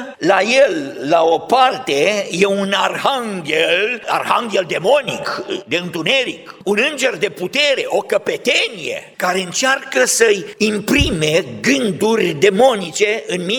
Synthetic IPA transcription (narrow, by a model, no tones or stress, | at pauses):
laje̞lːao̞part̪e̞je̞unarhaŋɡʲela̰rha̰ŋɡʲeld̪e̞mo̞nḭkd̪e̞ɨnt̪une̞ɾikunɨnd͡ʒe̞rd̪e̞put̪e̞ɾe̞ʔo̞kəpe̞t̪enije̞̰kaɾe̞ɨnt͡ʃarkəsəjimpɾime̞ɡɨnd̪urʲd̪e̞mo̞nit͡ʃe̞ɨnmi